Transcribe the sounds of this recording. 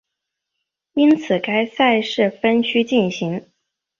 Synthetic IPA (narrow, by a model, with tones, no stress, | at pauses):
i˥nt͡sʰɹ̩˨˩ka˥ɪsa˥˧ɪʂɻ̩˥˩fə˥nt͡ɕʰy˥t͡ɕi˥˩nɕi˧˥ŋ